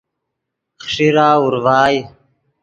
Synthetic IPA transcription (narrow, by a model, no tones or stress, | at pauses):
χʂiɾaːuɾvaːj